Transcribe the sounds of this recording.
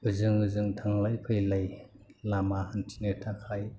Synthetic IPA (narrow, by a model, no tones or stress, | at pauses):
ɯzɯŋɯzɯŋtʰaŋlajpʰɯjlajlamahantʰinɯtʰakʰaj